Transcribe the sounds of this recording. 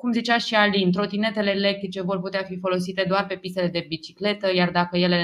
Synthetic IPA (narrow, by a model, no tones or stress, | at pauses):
kumzit͡ʃaʃialint̪ɾo̞t̪ine̞t̪e̞le̞ːle̞k̚t̪ɾit͡ʃe̞vo̞rput̪eafifo̞lo̞s̬it̪e̞d̪oarpe̞pist̪e̞le̞d̪e̞bit͡ʃi̥kle̞t̪əjard̪akəje̞le̞